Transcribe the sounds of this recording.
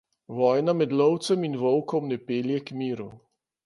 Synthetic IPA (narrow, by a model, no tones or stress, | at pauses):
ʋɔːjnamɛd̪lɔwt̪sɛminʋɔwkɔmnɛpeːljɛkmiːɾu